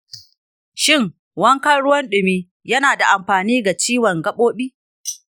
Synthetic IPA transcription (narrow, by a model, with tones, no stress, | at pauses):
ʃɪ˦˨ŋ | wɐ˦ŋkɐ˦ɽʊ˦wɐ˦nɗɪ˨miː˦ | jɐ˦naː˨da˨ʔa˨mɸaː˨niː˦ɡa˨t͡ʃiː˦wɔ˨ŋɡɐ˦ɓoː˦ɓiː˦